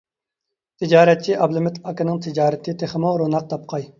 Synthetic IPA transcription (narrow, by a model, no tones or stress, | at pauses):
t̪ʰɪd͡ʒɑːɾɛt̪̚t͡ʃʰiɑblɪmɪt̪ʰɑkɪnɨŋt̪ʰɪd͡ʒɑːɾɨt̪ʰɨt̪ʰeχəmoɾonɑq̚t̪ʰɑp̚qʰɑj